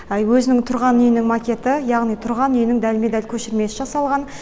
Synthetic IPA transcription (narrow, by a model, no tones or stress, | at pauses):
wɵzɪnɪŋt̪ʰʊɾʁɑnʏjɪnɪŋmakʲe̞t̪ɪjɑʁnijt̪ʰʊɾʁɑnʏjnɪŋd̪ælmed̪ælkʲʰɵʃɪɾme̞sɪʒɑsɑlˠʁɑn